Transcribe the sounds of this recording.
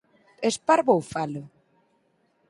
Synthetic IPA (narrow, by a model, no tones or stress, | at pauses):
espaɾβowfalʊ